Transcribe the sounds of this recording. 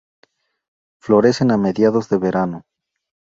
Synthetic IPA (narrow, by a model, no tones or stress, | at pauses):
flo̞ɾe̞se̞name̞ðjaðo̞zðe̞βe̞ɾano